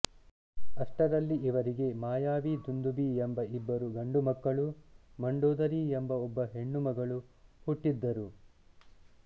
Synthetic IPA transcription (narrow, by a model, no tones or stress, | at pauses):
ɐʂʈɐɾɐlːiʔiʋɐɾiɡe̞maːjaːʋid̪und̪ubiembɐibːɐɾuɡɐɳɖumɐkːɐɭumɐɳɖoːd̪ɐɾiembɐɔbːɐɦe̞ɳːumɐɡɐɭu | huʈːid̪ːɐɾu